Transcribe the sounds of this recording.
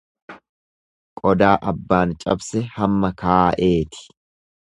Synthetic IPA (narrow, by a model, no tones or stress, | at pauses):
kʼɔd̪aːʔɐbːaːnt͡ʃʼɐbsɛhɐmːɐkaːʔe̞ːt̪ɪ̥